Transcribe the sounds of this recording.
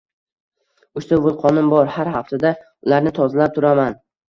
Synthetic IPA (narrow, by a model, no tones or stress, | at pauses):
ʊʃt̪avʊlˠqʰɒnɪmbɒɾhaɾhaft̪ʰad̪a | ʊlaɾnɪt̪ʰɒzalap̚t̪ʰʊɾaman